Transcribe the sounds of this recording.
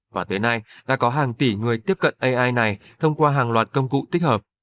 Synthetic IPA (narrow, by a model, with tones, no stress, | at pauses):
vaː˨˩t̪ə˨˦jna˧jɗa̰ː˧˥kɔ˨˦ɦaː˨˩ŋt̪i˧˩ŋɨ˨˩əjt̪i˦˥əp̚kə̰˧˨nʔə˧jʔaː˧jna˨˩j | t̪ʰə˧wŋ͡mkwaː˧ɦaː˨˩ŋlwaː˨˩t̚kə˧wŋ͡mkṵ˧˨t̪i˦˥k̟̚həː˨˩p̚